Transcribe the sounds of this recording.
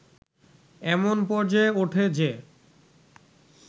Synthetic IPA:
ɛmonpɔɾd͡ʑaeoʈʰed͡ʑe

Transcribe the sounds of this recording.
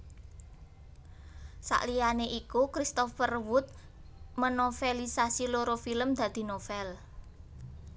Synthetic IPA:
sa̰ʔlijaneʔikukɾist̪ɔfərwʊt̪̚ | mənofelisasiloɾofiləmd̪̥ä̤d̪̥i̤nofɛl

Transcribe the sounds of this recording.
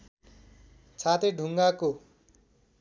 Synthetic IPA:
t͡sʰat̪eɖʱuŋɡako

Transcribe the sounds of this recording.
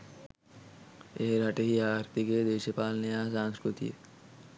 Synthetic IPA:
eɦɾaʈeɦiaːɾp̪iked̪eːʃepaːlnejasãːnskɾut̪ḭḛ

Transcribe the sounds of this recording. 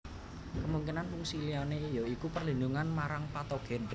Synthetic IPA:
kəmuŋkinanmuŋsilianejɔikupərlinduŋanmaɾaŋpat̪oɡ̥ɛn

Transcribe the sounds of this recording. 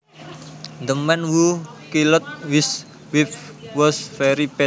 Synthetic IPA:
nd̪əmɛnwukilʊt̪̚wɪs | wifwɔsfɛɾipɛ

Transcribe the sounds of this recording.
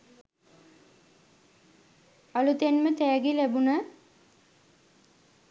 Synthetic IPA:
alut̪enmət̪æːɡilæbunə

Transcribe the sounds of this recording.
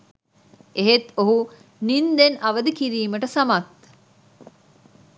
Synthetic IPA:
eɦet̪oɦu | nind̪enɐʋəd̪ikiɾiːməʈəsamat̪

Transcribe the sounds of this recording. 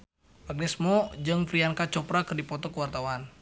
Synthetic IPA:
maɡ̚nɛsmɔd͡ʒɨŋfɾiaŋkat͡ʃɔpɾakɨrdipɔt̪ɔkəwart̪awan

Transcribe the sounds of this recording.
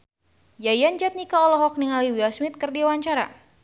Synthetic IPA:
jajand͡ʒat̪̚nikaɔlɔɦɔk̚niŋaliwiasmit̪̚kərdiawaɲt͡ʃaɾa̰

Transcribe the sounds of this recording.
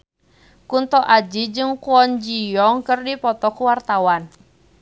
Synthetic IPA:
kunt̪ɔʔad͡ʒid͡ʒɨŋkuɔnd͡ʒijɔŋkɨrdipɔt̪ɔkuwart̪awan

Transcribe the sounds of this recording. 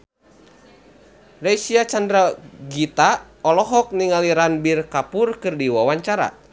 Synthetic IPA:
rɛsiat͡ʃandɾaɡit̪a | ɔlɔɦɔk̚niŋaliɾanbirkapurkɨrdiwawaɲt͡ʃaɾa̰

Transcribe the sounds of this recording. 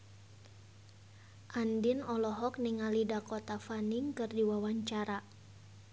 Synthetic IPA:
ʔandinɔlɔɦɔk̚niŋalidakɔt̪afaniŋkɨrdiwawaɲt͡ʃaɾa

